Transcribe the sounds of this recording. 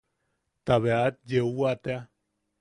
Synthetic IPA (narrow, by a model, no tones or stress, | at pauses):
t̪aβeat̪̚d͡ʒeuat̪ea